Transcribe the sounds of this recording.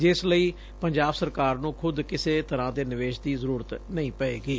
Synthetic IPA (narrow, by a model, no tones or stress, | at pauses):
d͡ʒɪsləiː | pəɲd͡ʒaːbsəɾkaːɾnũːkʰʊd̪kɪseːt̪əɾãːd̪eːnɪʋeːʃd̪iːzəɾuːɾət̪nəĩːpəeːɡiː